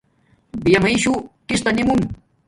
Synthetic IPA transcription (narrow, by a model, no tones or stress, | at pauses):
bijamajʃukɪst̪anɪmʊŋ